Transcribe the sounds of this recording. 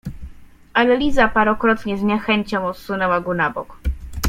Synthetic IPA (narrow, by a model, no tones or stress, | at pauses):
alɛlʲizapaɾɔkɾɔt̪ɲɛzɲɛxɛɲt͡ɕɔ̃w̃ɔt̪sunɛwaɡɔnabɔ̰k